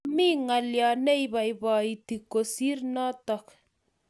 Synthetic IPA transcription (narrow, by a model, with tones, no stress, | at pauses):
mi˦ŋa˨lja˨nɛ˦i˨βa˨ibɔ˨i˨ti˨ko˨si˦rnɔ˦tɔ˨k